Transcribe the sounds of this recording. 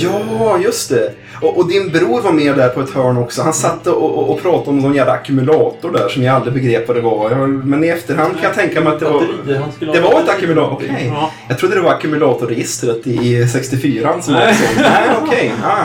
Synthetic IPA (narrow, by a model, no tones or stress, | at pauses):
jɑːjɵst̪ɛ | ɔʔɔd̪ɪnbɾuːɾvaɾmeːɖ̪æɾpʰɔɛt̪hœːɳɔksɔhansat̪ːəɔɔːpʰɾɑːt̪aɔmsɔnjæːd̪aːkʉmʉlɑːt̪ʊɖæʂɔmjaalːɾɪbɛɡɾeːpːvad̪ɛvɑjɑmɛnɪɛft̪əɾɦand̪kʰanjat̪ʰɛŋkamɛɪjat̪̚d̪ɛva | d̪ɛvaɾɛt̪akʉmlɔkʰɛjjɑɡt̪ʰɾud̪əd̪ɛvaɾakʉmʉlɑːt̪ʊɾɛjɪst̪ɾət̪ɪːsɛkst̪ɪfyːɾansɔmasɛæɔkʰɛjɑ